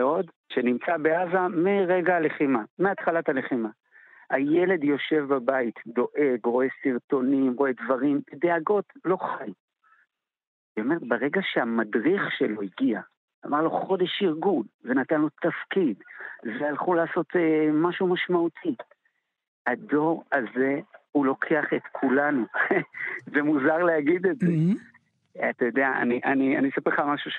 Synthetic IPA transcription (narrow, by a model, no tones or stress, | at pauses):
eo̞d | ʃe̞nimt͡sabeazamiʁeɡaale̞χimameat̪χalatale̞χima | haje̞le̞djo̞ʃe̞vbabait̪d̪o̞ʔe̞ɡʁo̞e̞siʁt̪o̞nimʁo̞e̞dvaʁimbed̪eaɡo̞tlo̞χaj | veomeʁetbeʁe̞ɡaʃeamadʁiχʃelo̞iɡia | amaʁlo̞χo̞d̪e̞ʃiʁɡulve̞natanlo̞t̪afkid̪vejalχulaːso̞t̪emaʃumaʃmaut̪ʰi | ado̞ʁaze̞hulo̞kʰeaχet̪kʰulanu | zemuzaʁleaɡid̪etze | at̪ajo̞d̪eaa̰niʔanianisapeχamaʃuʃ